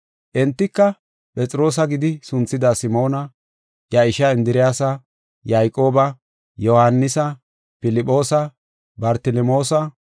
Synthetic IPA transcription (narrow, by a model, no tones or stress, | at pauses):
ʔɛnt̪ːɪkːɐ | pʼɛt͡sʼɾo̞ːs̬ɐɡɪd̪ɪsʊnt͡sːɪd̪aːsɪmo̞ːnɐ | jɐɪʃɐɪnd̪ɪɾɪjaːsɐ | jaːjkʼːo̞ːbɐ | jɔhɐnːɪsɐ | pɪlɪpʼːo̞ːsɐ | bɐɾt̪ɪlɛmo̞ːsɐ